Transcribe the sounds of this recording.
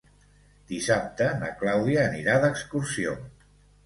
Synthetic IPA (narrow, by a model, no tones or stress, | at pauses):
d̪isap̚t̪ənə̰klawðiəːniɾaðəkskursio